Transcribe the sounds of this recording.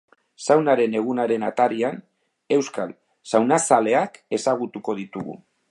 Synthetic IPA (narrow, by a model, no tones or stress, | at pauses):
sawnaɾe̞ne̞ɣ̞unaɾe̞nat̪aɾian | e̞wskal | sawnasale̞ake̞saɣ̞ut̪uko̞ðit̪uɣṵ